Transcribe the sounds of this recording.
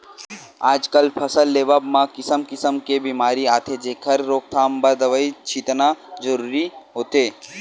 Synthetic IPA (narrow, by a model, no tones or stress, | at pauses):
aːd͡ʒkəlpʰɐsəlːeːʋaːbmãkɪsəmkɪsəmkebiːmaːɾiaːt̪ʰed͡ʒeːkʰɐɾːoːk̚t̪ʰaːmbəɾd̪əʋəit͡ʃiːt̪nad͡ʒəɾuːɾiɦoːt̪eː